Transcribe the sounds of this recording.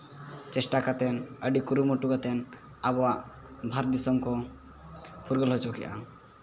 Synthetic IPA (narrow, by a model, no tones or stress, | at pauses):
t͡ʃɛsʈakat̪ɛnəɖikuɾumɔʈukat̪ɛn | abɔwaʔ | bʱaɾd̪isɔmkɔ | puɾɡəlɦɔt͡ʃɔkḭʔa̰